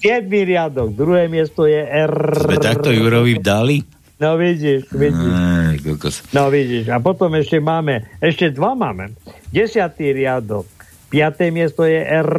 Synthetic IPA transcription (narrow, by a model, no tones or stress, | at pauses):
sɪjɛd̪miɾɪad̪ɔɡ̚d̪ɾuɦɛːmɪɛst̪ɔjɛʔɛrt̪akt̪ɔjuɾɔʋivd̪ali | nɔʋiɟiʃʋiɟiʃkɔlkɔsnɔʋiɟiʃapɔt̪ɔmɛʃcɛmaːmɛɛʃcɛd̪ʋamaːmɛ̰ɟɛsɪat̪iɾɪad̪ɔk̚ | pɪat̪ɛmɪɛst̪ɔjɛʔɛr